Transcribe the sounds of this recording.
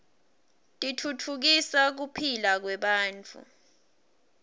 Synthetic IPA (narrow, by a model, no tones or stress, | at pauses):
tʼitʰutʰuk̬isak̬upʰilak̬wɛɓaːnt͡fʰʼṵ